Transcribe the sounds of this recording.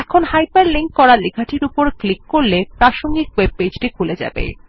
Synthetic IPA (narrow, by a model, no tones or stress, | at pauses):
ɛkʰonhajpaɾliŋk̚kɔɾaliɡʱaʈʰiɾupoɾklikːoɾlepɾaʃoŋɡikweb̚ped͡ʑʈikʰuled͡ʑa̰bḛ